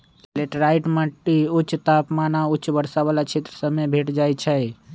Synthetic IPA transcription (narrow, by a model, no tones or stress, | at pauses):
leʈɾaiʈmaʈːiutːʃʰt̪apmanauːt͡ʃʰːʃʰbəɾsabalat͡ʃʰet̪ɾəsəmːebʱeʈd͡ʒajt͡ʃʰəj